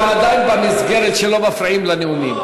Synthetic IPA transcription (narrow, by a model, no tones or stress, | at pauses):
ad̪ajnbamizɡeʁet̪ʃelo̞bafɾaimlaneumim